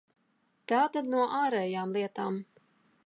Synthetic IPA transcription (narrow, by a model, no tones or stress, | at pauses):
t̪aːt̪ad̪nuɔʔaːɾɛːjaːmlˠiɛt̪aːm